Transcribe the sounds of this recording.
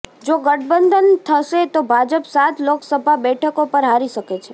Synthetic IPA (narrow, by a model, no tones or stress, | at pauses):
d͡ʒoɡəʈbənd̪ʱənt̪ʰəʃet̪obʱad͡ʒəpsat̪loksəbʱabɛʈʰəkopəɾɦaɾiʃəket͡ʃʰe